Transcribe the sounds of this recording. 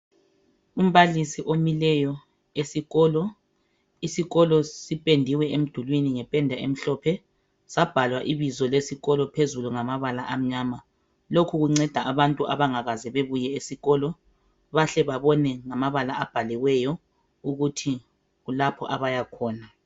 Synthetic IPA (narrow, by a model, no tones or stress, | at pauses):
um̩βalisiʔomilɛjɔ | esiɣɔːlɔ | isiɣɔlɔsipʼendʱiwɛem̩d̥ʱulwiniŋɛpʼɛndʱaḛm̩ɬɔːpʰɛ | sab̥ʱalwaʔiβizɔlesiɣɔlɔpʰezuluŋamaβalaʔam̩ɲaːma | lokʰuɣuŋ͡ǀɛd̥ʱaʔaβantʼuʔaβaŋaɣazɛβeβujɛesiɣɔːlɔ | βaɬɛβaβɔnɛŋamaβalaab̥ʱalɛɣwɛjɔ | uɣutʰi | ɣulapʰɔ̰ʔaβajakʰɔːna